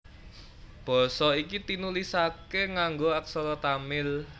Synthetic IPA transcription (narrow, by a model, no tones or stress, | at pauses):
b̥ɔ̤sɔikit̪inulisakeŋaŋɡoak̚sɔlɔt̪amɪl